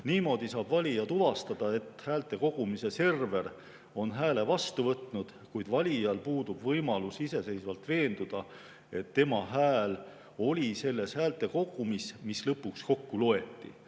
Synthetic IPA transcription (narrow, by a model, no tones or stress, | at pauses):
niːmo̞ːd̪̥isɑːb̥vɑlʲijɑt̪uvɑst̪ɑd̪̥ɑe̞t̪ːhæːlt̪ˑe̞ko̞ɡ̥umise̞se̞rve̞r | o̞nɦæːle̞vɑst̪uvɤt̪nud̪̥ | kujd̪vɑlʲijɑlpuːd̪ub̥vɤjmɑlusise̞se̞jsvɑlt̪ve̞ːnd̪̥ud̪̥ɑ | e̞t̪ːe̞mɑɦæːl | o̞lʲise̞lːe̞shæːlt̪ːˑe̞ko̞ɡ̥umismislɤpːuksko̞kːuloe̞t̪ːˑḭ